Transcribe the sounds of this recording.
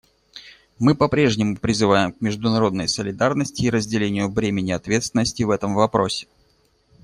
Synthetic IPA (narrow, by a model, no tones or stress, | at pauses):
mɨpɐpɾʲe̞ʐnʲɪmʊpɾʲɪzɨvajɪmk̚mʲɪʐd̪ʊnɐɾo̞d̪nəjsəlʲɪd̪arnəsʲtʲɪːɾəzʲdʲɪlʲenʲɪjʊvɾʲemʲɪnʲɪɐt̪vʲe̞t̪st̪vʲɪnːəsʲtʲɪvɛt̪əmvɐpɾo̞sʲɪ̥